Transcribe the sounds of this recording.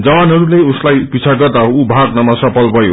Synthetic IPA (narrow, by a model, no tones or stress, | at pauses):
d͡zʌwanɦʌɾuleuslajpit͡sʰaɡʌrd̪aɦoubʱaɡnʌmʌsʌpʌlbʱʌjo̰